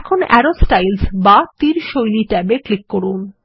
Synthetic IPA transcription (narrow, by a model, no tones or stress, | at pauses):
kʰonɛ̰ɾosʈajlsbat̪iɾʃojliʈɛbeklikːoɾun